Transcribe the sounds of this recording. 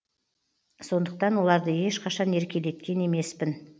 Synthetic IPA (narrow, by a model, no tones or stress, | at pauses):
so̞nd̪əq̚t̪ɑnwo̞lˠɑɾd̪əje̞ʃqʰɑʃɑne̞ɾkʲe̞le̞t̪kʲe̞ne̞me̞spɪn